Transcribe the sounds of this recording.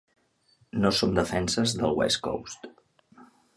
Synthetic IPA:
nosomd̪əfɛnsəzðəlˠwɛ̰sko̰wst̪

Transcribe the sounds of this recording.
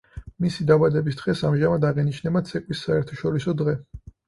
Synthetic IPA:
misid̪abad̪ɛbisd̪ʁɛsamʒamad̪aʁiniʃnɛbat̪sʰɛkʼwisːaɛɾt̪ʰḁʃɔɾisɔd̪ʁɛ

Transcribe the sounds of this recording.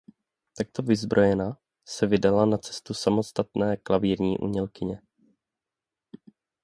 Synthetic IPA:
t̪ak̚t̪o̞vɪzbɾʔo̞jɛna | sɛvɪdalanat͡sɛ̥st̪usamo̞st̪at̪nɛːklaviːɾɲḭːʔṵɲɛlkɪɲɛ

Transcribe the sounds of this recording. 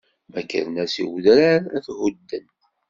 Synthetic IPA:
mækːə̰ɾnæsiwðɾaɾæθhud̪ːən

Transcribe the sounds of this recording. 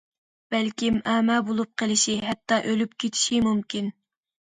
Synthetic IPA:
b̥ɛlkʲimæːmɛbolˠup̚qʰəlˠɪʃiɦɛt̪ːɑʔølyp̚kʲʰet̪ʰi̥ʃimumkʲin

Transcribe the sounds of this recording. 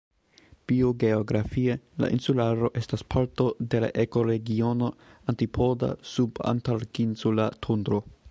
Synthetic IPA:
b̥io̞ɡe̞oɡɾafie̞la̰ʔinsulaɾo̞ʔe̞staspʰaɾto̞de̞la̰ʔe̞ko̞ɾe̞ɡio̞no̞antipʰo̞da̰suba̰ntalkinsulatʰundɾo̞

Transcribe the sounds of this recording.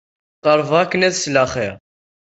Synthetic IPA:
qəɾˤvakːənæðslæχḭʁ

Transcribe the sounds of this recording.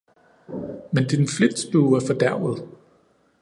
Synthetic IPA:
mend̥infled̥sb̥uːæɐfɒ̽d̥æɐ̰ð̞̩ˠ

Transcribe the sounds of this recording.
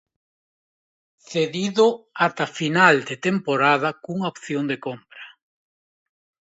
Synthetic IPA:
θeðiðʊat̪afinald̪et̪empoɾað̞ɐkuŋaopθjond̪ekompɾḁ

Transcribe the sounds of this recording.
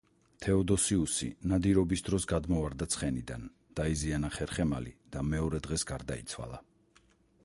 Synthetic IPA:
t̪ʰɛɔd̪ɔsiusḭnad̪iɾɔbisd̪ɾɔsɡad̪mɔvaɾd̪at̪sʰχɛnid̪an | d̪̥aizianaχɛɾχɛma̰lḭd̪̥amɛɔɾɛd̪ʁɛsɡaɾd̪ait̪sʰwa̰lˠa

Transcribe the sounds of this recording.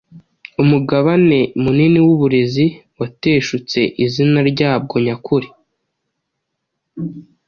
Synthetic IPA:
umuɡaβane̞muniniwuβuɾe̞ziwate̞ːʃut͡se̞ʔizinaɾɟaːb̚ɡo̞ɲakuɾi

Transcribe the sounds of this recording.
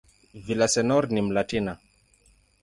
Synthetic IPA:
vilasɛnɔɾnimlatina

